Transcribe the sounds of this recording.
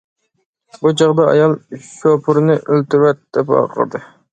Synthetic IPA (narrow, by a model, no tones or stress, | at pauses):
bud͡ʒɑʁd̪ɑɑ̰jɑlˠʃopʰʊɾnɨʔølt̪ɪwɛt̪̚d̪̥ɛpɑ̰qʰə̰ɾd̪ɨ